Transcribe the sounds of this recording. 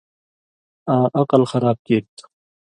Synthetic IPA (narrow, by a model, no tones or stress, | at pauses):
ãːʔɐqəlxɐɾaːb̚keːɾt̪